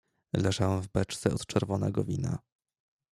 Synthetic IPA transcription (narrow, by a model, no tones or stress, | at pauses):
lɛʐawɛ̃wvbɛt͡ʂt̪sɛɔt̪t͡ʂɛɾvɔnɛɡɔvʲina̰